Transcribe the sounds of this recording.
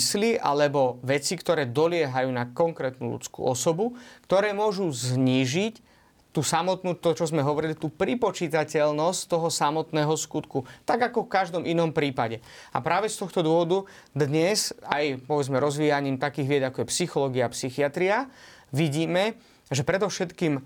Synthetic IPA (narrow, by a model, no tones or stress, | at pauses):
sliʔa̰lɛbɔʋɛt͡sikt̪ɔɾɛːd̪ɔlɪɛɦajuːnakɔŋkɾɛːt̪nṵlṵt͡skṵːɔsɔbukt̪ɔɾɛːmʊɔʒuzɲiːʒic | t̪uːsamɔt̪nuːt̪ɔt͡ʃɔzmɛɦɔʋɔɾilit̪uːpɾipɔt͡ʃiːt̪acɛlnɔsct̪ɔɦɔsamɔt̪nɛːɦɔskut̪kut̪aɡakɔfkaʒd̪ɔmʔinɔmpɾiːpaɟɛ | a̰pɾaːʋɛst̪ɔxt̪ɔd̪ʊɔʋɔd̪u | d̪ɲɛzajpɔʋɛd͡zmɛɾɔzʋiːjaɲiːmt̪akiːɣʋɪɛd͡zakɔjɛpsixɔlɔːɡiaːpsixiat̪ɾiaʋiɟiːmɛ | ʒɛpɾɛd̪ɔfʃɛt̪kiːm